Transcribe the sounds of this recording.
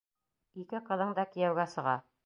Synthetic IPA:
ikɘqɤ̆ðɤɴd̪ɑkijæwɡæsɤ̆ʁɑ̰

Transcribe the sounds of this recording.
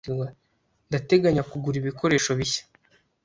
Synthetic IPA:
ɡa | ndate̞ɡaɲakuɡuɾiβiko̞ɾe̞ːʃo̞βiçḁ

